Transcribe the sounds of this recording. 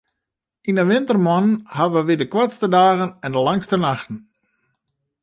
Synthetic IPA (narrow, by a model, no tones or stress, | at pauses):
inəʋɪntərmɔnənɦadəʋəʋidəkwatstədaːɣənɛndəlaŋstənaxtn̩